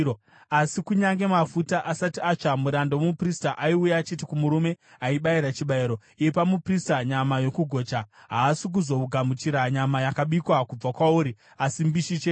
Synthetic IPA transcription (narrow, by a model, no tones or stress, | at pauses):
o | asikuɲaŋɡe̞mafutaʔasatiat͡ʃamuɾandowomupristaʔaiujaːt͡ʃitikumuɾume̞ | aiɓaiɾat͡ʃiɓaiɾo̞ | ijepamupristaɲamajo̞kuɡʱo̞ːt͡ʃaɦaːsik̬uzo̞uɡʱamut͡ʃiɾaɲamajakaɓikwakub͡vakwauɾi | asimbiʃit͡ʃe